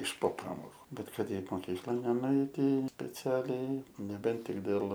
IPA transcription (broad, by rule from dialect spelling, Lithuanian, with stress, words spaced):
ɪʃ poː ˈpɑːmoːkʊ ˈbʲɛt ˈkɐt ˈɛɪt moːˈkʲiːklˠɐn nʲɛnʊˈɛɪtʲɪ sʲpʲɛˈt͡sʲæːlʲɛɪ nʲɛˈbʲɛnt ˈtʲɪk dʲeːlˠ